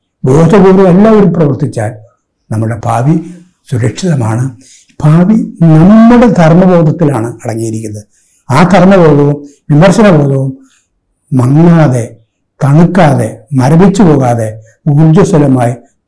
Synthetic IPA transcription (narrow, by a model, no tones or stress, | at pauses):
bo̞ːd̪ɐɡuːrume̞lːaːʋoɾumprɐʋɐrt̪it͡ɕːa̰ːl | nɐmːɨɽe̞pʰaːʋi | suɾɐkʂiðɐmaːɳɨ | pʰaːʋinɐmːuɽe̞t̪ɐrmɐbo̞ːd̪ɐt̪ːilaːɳɨɐɽɐŋːijiɾikʲːunːɐð | aːt̪ʰɐrmɐbo̞ːd̪ɐʋumʋimɐrɕɐnɐbo̞ːd̪ɐʋumː | ɐŋːaːðe̞ | t̪ɐɳukːaːðe̞mɐɾɐbit͡ɕːubo̞ːɣaːðe̞ | uːrd͡ʑɐst̪ɐlɐmaːji